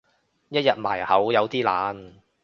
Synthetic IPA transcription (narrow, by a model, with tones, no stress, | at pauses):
jɐ˥t̚jɐ˨t̚ma̰ː˨˩jhɐ˨˥wjɐ˨˧wt̪iː˥laː˨˥n